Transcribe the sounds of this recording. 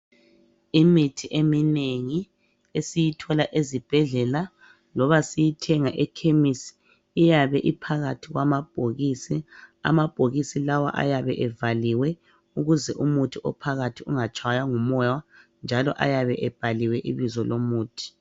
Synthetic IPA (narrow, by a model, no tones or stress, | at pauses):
imitʰiʔemineŋi | esijitʰɔlaʔezib̥ʱɛɮɛla | lɔβasijitʰɛŋaʔɛkʰemisi̥ː | jaβɛʔipʰaɣatʰiɣwamab̥ʱoɣisia̰mab̥ʱoɣisilawa̰ʔa̰jaβɛʔɛvaliwɛ | uɣuzɛʔumutʰiʔɔ̰pʰaɣatʰiuŋat͡ʃʼʰajaŋumɔjwand͡ʒʱalɔ̰ʔa̰jaβɛʔɛb̥ʱaliwɛʔiβizɔlomuːtʰi̥